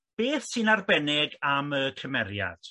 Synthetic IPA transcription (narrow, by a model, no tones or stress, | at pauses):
b̥eːθsɨnarbɛnɪɡaməkʰəmɛɾja̰d̥